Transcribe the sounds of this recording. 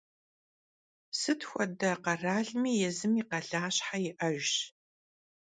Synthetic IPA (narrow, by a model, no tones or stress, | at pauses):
sɨtʰxʷɔdɐqɐraːɮmiːjɛzɨmiqɐɮaːɕħajɪʔɐʒ